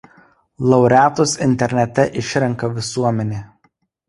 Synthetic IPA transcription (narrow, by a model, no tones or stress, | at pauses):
lˠɐʊɾʲæːt̪ʊsɪnʲt̪ʲɛɾʲnʲɛt̪ʲɛʔɪʃʲɾʲɛŋkɐʋʲɪsuɔmʲɛnʲeː